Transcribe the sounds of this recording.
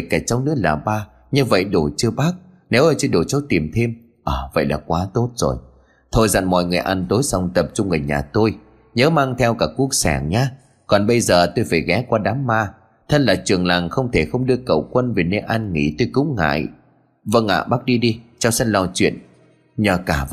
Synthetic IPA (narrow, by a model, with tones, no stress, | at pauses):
jka˧˩t͡ɕɔ˧wŋ͡mnɨ˦˥ək̚la̰ː˨˩ɓaː˧ | ɲɨ˧və̰˧˨jɗo˧˩t͡ɕɨ˧əɓaː˦˥k̚ | ne˨˦wʔə˨˩jt͡ɕɨ˧ɗo˨˩t͡ɕə˧˦t̪i˨˩mt̪ʰe˧m | ʔəː˨˩və̰˧˨jlaː˨˩kwaː˨˦t̪o˦˥t̚z̥o̰˨˩j | t̪ʰo˧jza̰˧˨nmɔ̰˧˨jŋɨ˨˩əjʔa˧nt̪o˨˦jsa˧wŋ͡mt̪ə˨˩p̚t͡ɕʊ˧ŋ͡mŋɨ˨˩jɲa̰ː˨˩t̪o˧j | ɲəː˨˦maː˧ŋt̪ʰɛ˧wkaː˧˩kːu˦˥ək̚sɛ̰˧˩ŋɲaː˨˦ | kɔ˨˩nɓə˧jzəː˨˩t̪o˧jfaː˧˩jɣɛ˨˦kwaː˧ɗaː˨˦mːaː˧ | t̪ʰə˧nlaː˨˩t͡ɕɨ˨˩əŋlaː˨˩ŋxə˧wŋ͡mt̪ʰe˧˩xə˧wŋ͡mɗɨ˧əkə̰˧˨wkwə˧nve˨˩ne˧nʔa˧nŋḭ˧˩t̪o˧jkʊ̰˧˥ŋ͡mŋa̰ː˧˨j | və˧ŋa̰ː˧˨ɓaː˦˥k̚ɗi˧ɗi˧t͡ɕa˧wsə˧˦n̚lɔ˧˩t͡ɕwḭ˧˨ən | ɲəː˨˩kaː˧˩